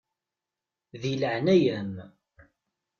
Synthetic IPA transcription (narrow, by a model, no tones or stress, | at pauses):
ðiləʕnæjəm